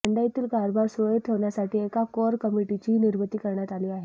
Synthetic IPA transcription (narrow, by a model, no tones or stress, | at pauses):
əɳɖajit̪iːlkaɾbʱaɾsoit̪ʰəʋɳjasaʈʰiːekakɔɾkəmiʈit͡ɕiɦniɾbət̪iːkəɾɳjat̪aliaɦe